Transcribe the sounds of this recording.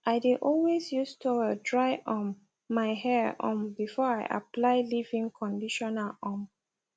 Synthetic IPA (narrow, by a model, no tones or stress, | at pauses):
ʔaɪdeʔɔlwesjustʰudɹaɪʔɔ̃n | maɪhɛʔɔ̰̃mbifɔɹaɪʔa̰plaɪlivĩŋkʰɔ̃ndiʃɔnalɔ̃m